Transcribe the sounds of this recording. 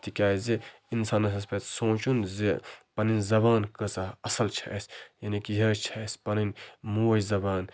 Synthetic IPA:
t̪ikʲaːjze | insaːnɐsɐspet̪sõːt͡ʃunzepɐninzɐbaːnkɐsaɐsɐlt͡ʃʰɐsjɐnikiɦɐt͡ʃʰɐspɐninmujzɐbaːn

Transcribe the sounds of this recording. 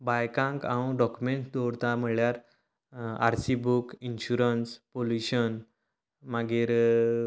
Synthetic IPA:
bajkãŋkãɖɔkumeɳʈd̪ɔɽt̪am̤əɭjaɾ | a̰ɾsibukinɕuɾənspoljuɕən | maɡiɾ

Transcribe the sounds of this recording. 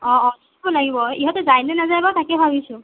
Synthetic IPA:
ɔ̃ːd | bɔlaɡibɔiɦɔtɔzajnɛnazajbatakɛbʱabisʊ̃

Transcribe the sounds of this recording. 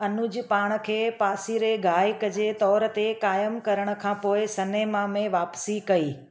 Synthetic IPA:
ɐnʊd͡ʑpaːɽ̃̆kʰeːpaːsiɾeɡʱaːɪkəd͡ʑeːt̪ɔːɾt̪ekaːjəmkɐɾəɽ̃ə̆kʰãːpoːɪsɐneːmãmẽʋaːpsikɐiː

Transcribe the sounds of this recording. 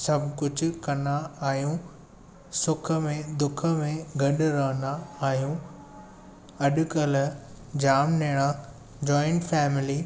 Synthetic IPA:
sɐbʱkʊd͡ʑʱʊ̆kɐnaaːɦijũ | sʊkʰə̆mẽd̪ʊkʰə̆mẽɡʱɐɗʊ̆ɾɐɦə̃nd̪aːɦijũ | ɐɗʊ̆kəl | d͡ʑaːmneːɽ̃a | d͡ʑɔːɪ̃ɳʈfɛːmɪliː

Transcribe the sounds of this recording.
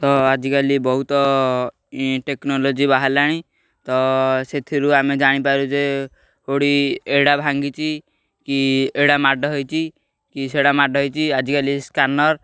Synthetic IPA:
t̪ɔad͡ʒikalibɔɦut̪ɔ | ʈeknɔlod͡ʒibaɦalaɽ̃i | t̪ɔset̪ʰiɾuamed͡ʒaɽ̃ipaɾud͡ʒe | oɽieɽabʱaŋɡit͡ʃʰi | kieɽamaɖɔɦɔjt͡ʃʰi | kiseɽamaɖɦɔjt͡ʃʰiad͡ʒikaliskanɔɾ

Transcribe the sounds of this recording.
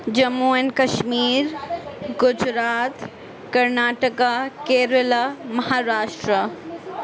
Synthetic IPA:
d͡ʑɐmuːənkɐʃmiːɾɡʊd͡ʑɾaːt̪ | kɐɾnaːʈəkakeːɾəlamɐɦaːɾaːʃʈɾə

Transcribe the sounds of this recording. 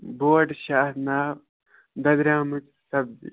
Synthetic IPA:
boːʈɕaːnaːb | d̪ɐd̪ɾaːmut͡s | sɐb̚dḭ

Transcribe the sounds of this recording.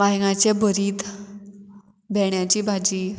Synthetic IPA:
ʋaɦiŋãt͡ɕebʱəɾiːt̪ | bʱɛɳjat͡ɕiːbʱad͡ʑiː

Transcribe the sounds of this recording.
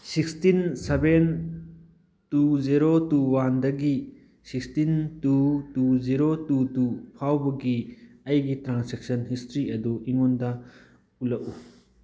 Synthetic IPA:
sikstinseben | tuziɾotuwandɐɡi | sikstintutuziɾotutupʰawbɐɡiɐjɡitɾansek̚sɐnhistɾiɐduiŋondɐ | ulɐʔu

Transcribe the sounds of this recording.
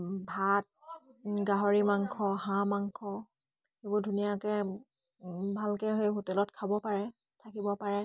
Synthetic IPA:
bʱat̚ | ɡaɦɔɹimaŋkʰɔɦãmaŋkʰɔ | ebɔdʱunijakɛ | bʱalkɛɦejɦotɛlɔtkʰabɔpaɹɛ | tʰakibɔpaɹɛ

